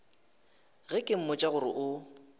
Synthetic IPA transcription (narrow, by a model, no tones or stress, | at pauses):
ɣɛkʼɪm̩mʊt͡ʃʼaɣʊɾɪ̰ʔʊ